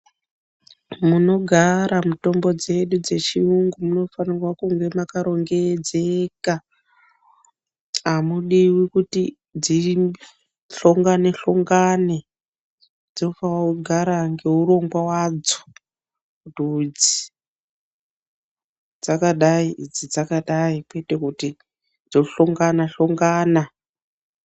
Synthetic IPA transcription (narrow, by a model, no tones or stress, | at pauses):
muno̞ɡʱaɾamuto̞mbo̞d͡ze̞ɗud͡ze̞t͡ʃiuŋɡumuno̞fanirwakuŋɡe̞makaɾo̞ŋɡe̞d͡zeka | amuɗiwikuti | d͡zi | ɬoŋɡaneɬoŋɡane | d͡zoufawuɡʱaɾaŋɡe̞uɾo̞ŋɡwawad͡zo̥ | kutud͡zi | d͡zakaɗaiid͡zid͡zakaɗaikwete̞kuti | d͡zoɬoŋɡanaɬoŋɡaːna